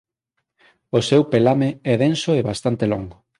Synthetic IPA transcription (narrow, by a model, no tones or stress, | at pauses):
osɛwpelameɛðensoeβast̪ant̪elɔŋɡo